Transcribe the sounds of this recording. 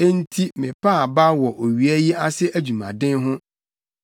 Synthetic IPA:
e˦n̩˦tʰi˦mɪ̃˨pʰa˦˨ba˦wɔ˨ʔo˨ɥi˨æ˦ji˦a˦sɪ˦ʔæ˦d͡ʑu˨mã̰˨dɪ̃˦nɦʊ̃˦

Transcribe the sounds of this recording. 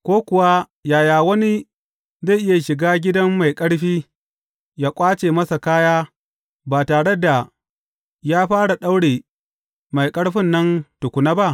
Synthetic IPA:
kʷoː˦kʷʊ˨wa˦ | jaː˨jaː˨wɐ˦ni˦ | za˦˨ʔɪ˦ja˨ʃɪ˨ɡaː˦ɡʲɪ˦dɐ˦mːa˨jkʼɐ˦ɽɸiː˦ | jaː˦kʷʼaː˦t͡ʃeː˨mɐ˦sa˨kaː˦jaː˦ | baː˨taː˨ɽe˦da˨ | jaː˦ɸaː˦ɽa˨ɗa˦wɽeː˨ | ma˨jkʼɐ˦ɽɸɪ˦nːɐ˦ntʊ˨kʷʊ˨naː˦ba˦ʔ

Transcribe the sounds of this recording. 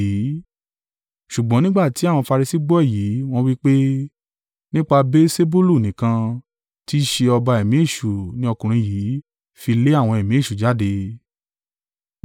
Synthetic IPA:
i˨˦ | ʃu˨ɡ͡bɔ̃˨˦nĩ˦ɡ͡ba˦˨ti˨˦a˦˨wɔ̃˧fa˧ɾi˧si˦ɡ͡bɔ˦ɛ˦˨ji˨˦w̃ɔ̃˦wi˦k͡pe˦ | nĩ˦k͡pa˧be˦se˦bu˦lu˦˨nĩ˨kã˧ | ti˦ʃe˧ɔ˧ba˧ɛ˨mĩ˨˦e˦˨ʃu˨nĩ˦ɔ˧kũ˨ɾ̃ĩ˧jiː˨˦ | fi˧le˦a˦˨w̃ɔ̃˧ɛ˨mĩ˨˦e˦˨ʃu˨d͡ʒa˨˦de˧

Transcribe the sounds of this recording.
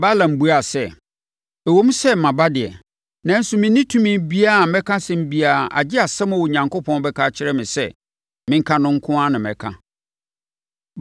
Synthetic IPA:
ba˦lã˨m̩˦bu˦a˨sɛ˦˨ | ɛ˨wo˨˦mũ˦sɛ˦m˨mã˨ba˦dɪ˨ɛ˨ | nã˨˦n̩˦sʊ˨mɪ̃˨nɪ̃˦tʰũ˦mĩ˦bi˦a˦a˨mɛ̃˦kʰã˦sɛ̃˦m̩˦bi˦a˨ʔa̰˨d͡ʑɪ˦a˨sɛ˦mʊ̃˨wo˨ɲã˨ŋkʰo˦pʰɔ̃˦n˦bɛ˦kʰaː˦t͡ɕʰɪ˦ɾɛ˦mɪ̃˨sɛ˦˨ | mɪ̃˦ŋ̩˦kʰã˦nʊ̃˦ŋ̩˦kʰʊ̃˦a˦nɪ̃˨mɛ̰̃˨kʰã̰˦

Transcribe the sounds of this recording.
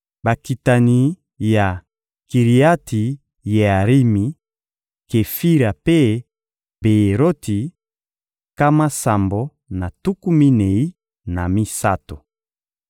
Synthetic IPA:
ba˨ki˨ta˨ni˨ | ja˨ | ki˨ʁi˨a˦ti˨ | je˨a˨ʁi˦mi˨ | ke˨fi˦ɾa˨pe˦ | be˨e˨ɾo˦ti˨ | ka˦ma˦sa˨mbo˨ | na˨tu˦ku˦mi˦ne˨i˦ | na˨mi˦sa̰˦to˨

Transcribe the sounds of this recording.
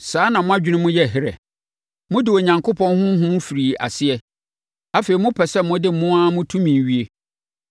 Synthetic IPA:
saː˨˦nã˨mʊ̃˦a˦d͡ʑᶣɪ˦nʊ̃˦mʊ̃˦jɛ˦˨ɦɪ˦ɾɛ̰˨ | mʊ̃˦dɪ˨o˨ɲã˨ŋkʰo˦pʰɔ̃˦nhʊ̃˦ɦʊ̃˦mʊ̃˦fi˨ɾiː˨a̰˨sɪ˦ɛ˦˨ | a˦fe˨i˨mʊ̃˦pʰɛ˨sɛ˦mʊ̃˦dɪ˦˨mʊ̃˦a˦mʊ̃˦tʰũ˦mĩ˨ɥi˦e˦

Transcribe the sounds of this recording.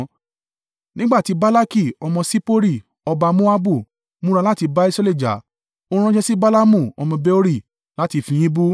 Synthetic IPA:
nĩ˦ɡ͡ba˦˨ti˨˧˦ba˦la˦ki˦˨ɔ˧mɔ̃˧si˦po˦ɾi˦˨ | ɔ˧ba˧mo˦a˦bu˦˨ | mũ˦ɾa˧la˦ti˧ba˦i˦sɾa˦˧le˦˨d͡ʒa̰˨ | o˧ɾ̃ũ˦d͡ʒɛ˦si˦ba˦la˦mũ˦˨ɔ˧mɔ̃˧be˦o˦ɾi˦˨ | la˨˦ti˧fĩ˧j̃ĩ˦bu˦

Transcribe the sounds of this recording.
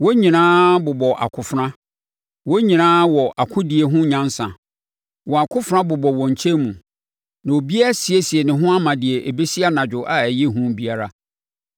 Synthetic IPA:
wɔ˦ɲĩ˨nãː˦bʊ˨bɔ˨ʔa̰˨kʰʊ˨fɾã˦ | wɔ˦ɲĩ˨nãː˦wɔ˨ʔa˨kʰʊ̃˦di˨e˨ɦʊ̃˦ɲã˦n˦sã̰˨ | wɔ˨a˨kʰʊ˦fʊ˨ɾã˦bʊ˨bɔ˨wɔ̃˨ɲ̩˨t͡ɕʰe˦mũ˨ | nã˨o˨bi˦a˦a˦si˨e˦si˨e˨nɪ̃˨ɦʊ̃˦a˦mã˨dɪ˨e˨ʔe˨be˦si˦a˦nã˨d͡ʑᶣʊ˨ʔa˨æ˨je˦ɦũ˦bi˦a˦ɾa˦

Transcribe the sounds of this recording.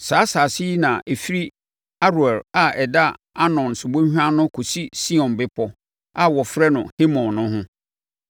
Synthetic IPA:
saː˨˦saː˨si˦i˦nã˨ʔe˨fi˦ɾi˦ | a˦ɾu˨ɛ˨la˨ɛ˨da˦ | a˦nɔ̃˨nsʊ˨bõ˦hᶣu˦ã˦nʊ̃˦kʰo˨si˦si˦ɔ̃˨nbɪ˦pʰɔ˦ | a˦˨wɔ˨fɾɛ˦nʊ̃˨he˦mɔ̃˨nːʊ̃˦ɦʊ̃˦

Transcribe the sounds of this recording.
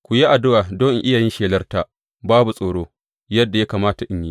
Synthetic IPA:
kʷu˨ji˦ʔa˨dʊ˦waː˨doː˦˨ŋʔɪ˦jaː˨jɪ˦nʃeː˨lɐ˦rta˦ʔ | baː˦bu˨sʼoː˨ɽoː˦ | jɐ˦dːa˨ja˦kaː˨maː˦ta˨ʔɪ˦ɲjiː˦

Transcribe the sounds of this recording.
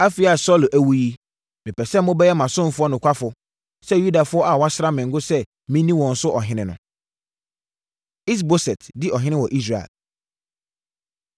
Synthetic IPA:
a˦fi˨a˨sɔ˦lʔæ˨wu˦ji˦ | mɪ̃˨pʰɛ˨sɛ˦mʊ̃˦bɛ˦jɛ˦mã˨sʊ̃˦m̩˦˨fʊ˦ɔ˦nʊ̃˨kʷʰa˦fʊ˨ | sɛ˦ju˦da˨fʊ˦ɔ˦a˨wa˦sɾa˦mɪ̃˨ŋ̩˦ɡʊ˦sɛ˦ | mĩ˦nĩ˦wɔ̃˨n̩˦sʊ˦ʔɔ˨ɦɪ̃˦nɪ̃˦nʊ̃˨ | i˦s̬bo˦sɛ˨tdɪ˦ʔɔ˨ɦɪ̃˦nɪ̃˦wɔ˨ʔi˦s̬ɾa˨ḛ˨l

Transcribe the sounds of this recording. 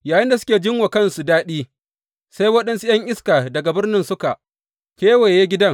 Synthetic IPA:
jaː˨jɪ˦nda˨s̬ʊ̥˦kʲeː˨d͡ʒɪ˦ŋwa˨kɐ˦nsu˨daː˦ɗiː˦ | sa˦jwɐ˦ɗɐ˦nsu˦j̰ɐ˦ŋʔɪ˦skaː˨dɐ˨ɡa˨bɪ˦rnɪ˦nsʊ˦ka˨ʔ | kʲeː˦weː˨jeː˦ɡʲɪ˦dɐ˦ŋ

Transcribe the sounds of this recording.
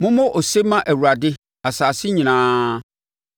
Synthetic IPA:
mʊ̃˦mʊ̃˦ʔɔ˨se˦mã˦ʔæ˨wu˨ɾa˨dɪ˦ | a˨saː˨sɪ˦ɲĩ˨nãː˦

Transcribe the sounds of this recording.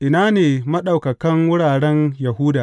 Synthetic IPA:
ʔɪ˨naː˦neː˨mɐ˦ɗa˨wkɐ˨kɐ˦ŋwʊ˦ɽaː˨ɽɛ˦njɐ˨ɦu˦daː˨

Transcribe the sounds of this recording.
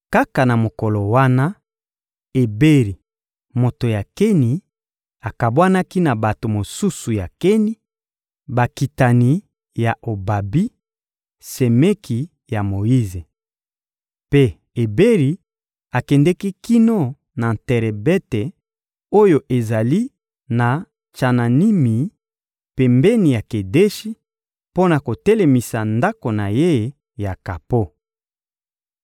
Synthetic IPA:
ka˦ka˨na˨mo˨kɔ˨lo˨wa˦na˦ | e˨be˦ʁi˨ | mo˨to˨ja˨kɛ˦ni˨ | a˨ka˨bwa˦na˦ki˦na˨ba˨to˨mo˨su˦su˨ja˨kɛ˦ni˦ | ba˨ki˨ta˨ni˨ | ja˨ʔo˨ba˨bi˦ | se˨me˦kʰi˨ | ja˨mo˨i˦ze˨ | pe˦ | e˨be˦ʁi˨ | a˨kɛ˨ndɛ˦ki˦ki˦no˦ | na˨tɛ˨ʁɛ˨bɛ˦te˨ | o˦jo˨ʔe˨za˨li˦ | na˨ | t͡ʃa˨na˨ni˦mi˨ | pɛ˨mbɛ˦ni˨ja˨ke˨de˦ʃi˦ | po˦na˨ko˨tɛ˦le˨mi˨sa˨nda˦ko˨na˨je˦˨˦ | ja˨ka˨po˦

